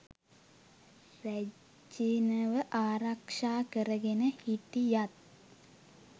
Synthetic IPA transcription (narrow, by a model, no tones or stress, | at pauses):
ræ | d͡ʒinɐʋəʔaːɾakʂaːkəɾəɡenəhit̪ijat̪̚